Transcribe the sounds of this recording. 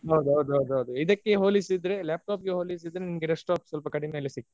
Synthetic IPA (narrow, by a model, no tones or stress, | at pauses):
ɦɐwd̪uɦɐwd̪uɦɐwd̪uɦɐwd̪uid̪ɐkːeɦoːlisid̪ːɾe̞ljaːp̚ʈaːpɡeɦoːlis̬id̪ɾenimɡeɖesʈaːpsɐlpɐkɐɽime̞ːlesik̚t̪